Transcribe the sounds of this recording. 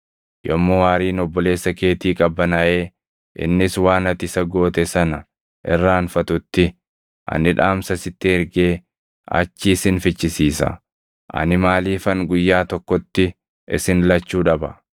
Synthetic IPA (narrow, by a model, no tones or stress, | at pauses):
jɔmːowaːɾiːnɔbːɔle̞ːsːɐke̞ːt̪iːkʼɐbːɐnɐʔeː | ʔɪ̰nːɪswaːnɐt̪ɪsɐɡo̞ːt̪ɛsɐnɐ | ʔɪrːaːnfɐt̪ʊt̪ːɪ | ʔɐ̰nɪᶑaːmsɐsɪt̪ːɪɪɾɡeː | ɐ̰t͡ʃːiːsɪnfɪt͡ʃːɪsiːsɐ̰ | ʔɐ̰nɪmaːliːfɐŋɡʊjːaːt̪ɔkːɔt̪ːɪ | ʔɪ̰sɪnlɐt͡ʃːuːᶑɐbɐ